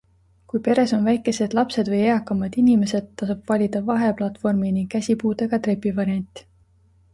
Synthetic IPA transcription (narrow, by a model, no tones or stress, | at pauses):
kujpe̞ɾe̞so̞nvæjkːˑe̞se̞d̪̥lɑpse̞d̪̥vɤjeɑkːˑɑmɑd̪̥inime̞se̞d̪̥̚t̪ːɑsub̥vɑlʲid̪̥ɑvɑɦe̞plɑt̪ˑfo̞rminiŋɡ̥kːæsʲipuːd̪eɡ̥ɑt̪re̞pːˑivɑɾiɑnʲt̪ːˑi̥